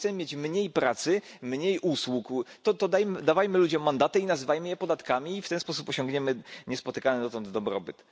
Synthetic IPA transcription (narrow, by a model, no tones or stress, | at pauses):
t̪ɛmɘmʲjet͡ɕmɲejpɾat̪sɘ | mɲejʔuswukt̪ɔt̪ɔd̪ajmɘd̪avajmɘlud͡ʑɔmːand̪at̪ɛinazɘvajmɘjɛpɔd̪at̪kamʲiːft̪ɛnspɔsupɔɕɔ̃ŋɡɲɛmɘɲɛspɔt̪ɘkanɛd̪ɔt̪ɔnd̪d̪ɔbɾɔ̰bɘt̪